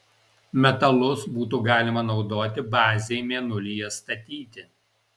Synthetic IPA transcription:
mʲɛt̪ɐlˠʊsbuːt̪̬uːɡɑːlʲɪmɐnɒʊd̪oːt̪ʲɪbɑːzʲejmʲeːnʊlʲijɛst̪ɐt̪ʲiːt̪ʲɪ

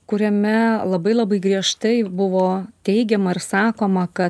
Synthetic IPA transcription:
kʊɾʲɛmʲɛlˠɐbɐɪlˠɐbɐɪɡɾʲiɛʃt̪ɐɪbʊʋoːt̪ʲɛɪɡʲɛmɐɪɾsɑːkoːmɐkɐ

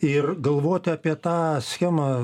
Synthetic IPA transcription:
ɪrɡɐlˠʋoːt̪ʲɑːpʲiɛt̪ɑːsʲxʲæːmɐ

